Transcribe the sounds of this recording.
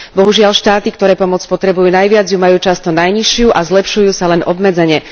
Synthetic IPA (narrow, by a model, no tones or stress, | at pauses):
bɔɦuʒɪaʎʃt̪aːt̪ikt̪ɔɾɛːpɔmɔt͡spɔt̪ɾɛbujuːnajʋɪad͡zjumajuːt͡ʃast̪ɔnajɲiʃɪuʔazlɛpʃujuːsalɛnʔɔbmɛd͡zɛɲɛ